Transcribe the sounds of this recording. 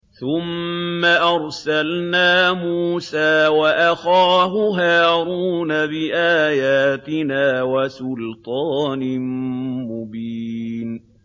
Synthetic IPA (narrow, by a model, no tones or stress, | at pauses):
θʊmːaʔɑɾˤsalnaːmuːsaːwaʔaxaːɦʊɦaːɾuːnabɪʔaːjaːt̪ɪnaːwasʊlt̪ˤɑːnɪmʊbiːn